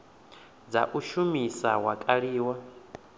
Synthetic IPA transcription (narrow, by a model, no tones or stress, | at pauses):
d͡za̰ʔuʃumisa̰wakʼaɺiːwa